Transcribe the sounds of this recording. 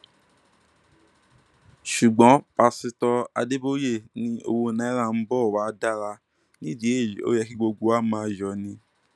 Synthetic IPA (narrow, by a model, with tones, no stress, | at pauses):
ʃu˨ɡ͡bɔ̃˨˦pa˧si˧tɔ˧a̰˧de˦bo˦je˦˨nĩ˧˦o̰˧wo˧nã˨˦ɛ˦ɾa˦˧˨m̩˦bɔ˦˨wa˨˦da˦˨ɾa˧ | nĩ˦di˦e˦˨o̰˦jɛ˧ki˦ɡ͡bo˧ɡo˧˦a˦mãː˨˦˧jɔ˨˦nĩ˧